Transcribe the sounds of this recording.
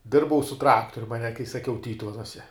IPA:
ˈdʲɪrbɐʊ sʊ ˈtrɑːktoːrʲʊm ɐˈnʲɛ kɐɪ sɐˈkʲɛʊ ˈtʲiːtʊʋʲɛnuɔsʲɛ

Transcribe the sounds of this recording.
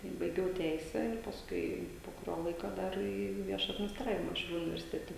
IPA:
tɐɪ bɐɪˈɡʲɛʊ ˈtʲɛɪsʲæː ɪr pɐsˈkʊɪ poː kʊˈrʲoː ˈlˠɐɪkoː ˈdɐr iː ˈʋʲiɛʃɐ ɐdʲmʲɪnʲɪsˈtrɑːʋʲɪmɐ ʃʲɛʊˈlʲuː ʊnʲɪʋʲɛrʲsʲɪˈtʲæːtʲɛ

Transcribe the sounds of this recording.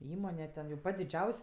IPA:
ˈiːmoːnʲɛ tʲɛn jɛʊ ˈpɐtʲ dʲɪˈd͡ʒʲɛʊsʲ

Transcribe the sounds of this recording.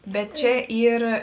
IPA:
ˈbʲɛt ˈt͡ʃʲɛ ˈiːr

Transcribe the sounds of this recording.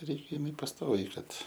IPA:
ˈrʲɛɪkʲ ɪˈmʲɪ pɐsˈtoːʋʲɛɪ ˈkɐt

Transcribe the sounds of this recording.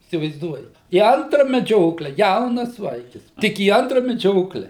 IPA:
iːsʲɪʋɐɪzˈduɔjɛt iː ˈɐntrɐ mʲɛˈd͡ʒʲoːklʲɛ ˈjɛʊnɐs ˈʋɐɪkʲɪs ˈtʲɪk iː ˈɐntrɐ mʲɛˈd͡ʒʲoːklʲɛ

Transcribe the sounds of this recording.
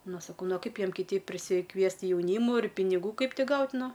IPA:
ˈnʊ sɐˈkɐʊ ˈnʊ oː ˈkɐɪp ˈjiɛm kʲɪˈtʲɛɪp pʲrʲɪsʲɪkˈʋʲiɛst jɛʊˈnʲiːmʊ ɪr pʲɪnʲɪˈɡuː ˈkɐɪp ˈtʲɪ ˈɡɐʊtʲ ˈnʊ

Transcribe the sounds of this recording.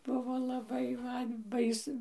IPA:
ˈbʊʋoː lˠɐˈbɐɪ ˈmɐn ˈbɐɪs

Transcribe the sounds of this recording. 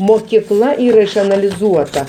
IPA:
moːkʲiːˈklˠɐ ˈiːrɐ ɪʃɐnɐlʲɪˈzuɔtɐ

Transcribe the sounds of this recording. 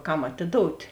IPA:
ˈkɐm ɐtʲɪˈdoːʊtʲ

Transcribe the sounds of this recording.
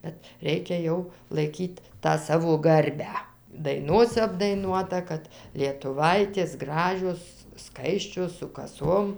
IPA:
ˈbʲɛt ˈrʲɛɪkʲɛ jɛʊ lˠɐɪˈkʲiːtʲ tɑː ˈsɑːʋoː ˈɡɐrʲbʲæː dɐɪˈnoːsʲɛ ɐbdɐɪˈnuɔtɐ ˈkɐt lʲiɛtʊˈʋɐɪtʲeːs ˈɡrɑːʒʲoːs ˈskɐɪsʲt͡ʃʲoːs sʊ kɐˈsoːm

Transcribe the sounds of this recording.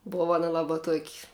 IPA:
ˈboːʋɐ ˈɑːnɐ ˈlˠɑːbɐ tuɔkʲ

